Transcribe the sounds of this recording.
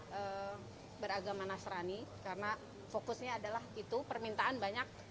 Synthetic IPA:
ʔə | bəɾaɡamanasɾanikaɾəna | fokʊsɲaːdalahit̪upərmint̪aʔanbaɲak̚

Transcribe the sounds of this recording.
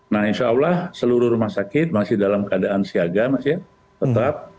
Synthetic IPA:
nahinʃaulahsəluɾʊɾumahsakɪt̪̚masɪhdalamkəadaʔansiaɡamasɪ | t̪ət̪ap̚

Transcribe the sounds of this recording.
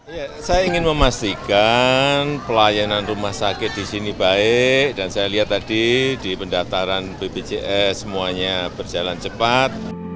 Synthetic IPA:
ijasajaiŋɪnməmast̪ikanpəlajananrumahsakɪt̪̚d̥isinibaɪʔd̥ansajaliɦat̪ːadidipəndat̪aɾanb̥ebed͡ʒeʔɛsəmuaɲab̥ərd͡ʒalant͡ʃəpat̪̚

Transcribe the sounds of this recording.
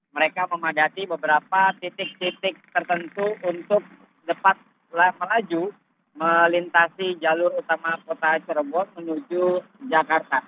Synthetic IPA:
məɾekaməmadat̪ibəbəɾapat̪it̪ɪk̚t̪ik̚t̪ɪk̚t̪ərt̪ənt̪uunt̪ʊk̚ | dəpat̪̚ | lahməlad͡ʒu | məlint̪asid͡ʒalʊɾut̪amakot̪at͡ʃəɾbɔt̪̚mənud͡ʒud͡ʒakart̪a

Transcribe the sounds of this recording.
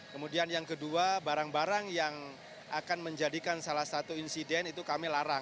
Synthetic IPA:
kəmudianjaŋkəduabaɾaŋbaɾaŋjaŋ | ʔakanməɲd͡ʒadikansalahsat̪uinsidɛnit̪ukamilaɾa

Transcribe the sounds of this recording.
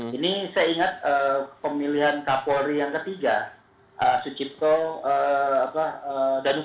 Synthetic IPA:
inisajaiŋat̪̚əpəmiliɦankapoɾijaŋkət̪iɡa | ʔəsut͡ʃip̚t̪oəapaədanu

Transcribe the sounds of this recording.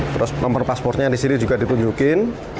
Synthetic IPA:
t̪ɾʊsnɔmpɔrpaspɔrt̪̚ɲaɾisiɾid͡ʒuɡad̪i̤t̪uɲd͡ʒukɪn

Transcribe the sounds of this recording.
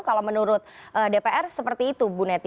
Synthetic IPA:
kalamənuɾʊt̪̚ʔədepeʔɛrsəpərt̪iːt̪ubunɛt̪

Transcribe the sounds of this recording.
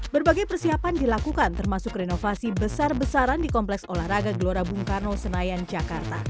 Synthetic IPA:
bərbaɡajpərsiapandilakukant̪ərmasʊkrenofasibəsarbəsaɾandikɔmplɛksolahraɡaɡəloɾabuŋkarnosənajand͡ʒakart̪a

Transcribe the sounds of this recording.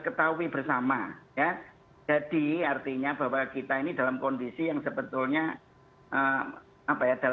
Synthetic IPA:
kət̪auibərsamaja | d͡ʒ̥ad̥iart̪iɲaba̤wakit̪ainidalamkɔndisijaŋsəbət̪ʊlɲa | ʔə | apajad̥al

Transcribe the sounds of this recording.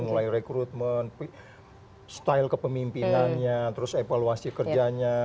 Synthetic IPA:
mulairekɾut̪̚mənp | st̪ajlkəpəmimpinanɲat̪əɾʊsevaluasikərd͡ʒaɲa

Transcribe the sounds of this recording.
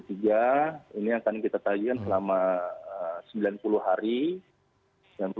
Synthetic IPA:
t̪iɡainiaŋkankit̪at̪aɡikansəlamaəsəmbilanpuluɦaɾi | mianpu

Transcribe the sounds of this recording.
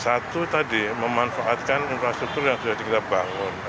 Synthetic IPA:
sat̪ut̪adiməmanfaʔat̪̚kaninfɾast̪ɾuk̚t̪urjaŋsudahdikit̪abaŋʊn

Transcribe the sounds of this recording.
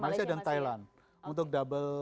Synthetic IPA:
malasiadant̪ajlan | unt̪̬ʊk̚dabəl

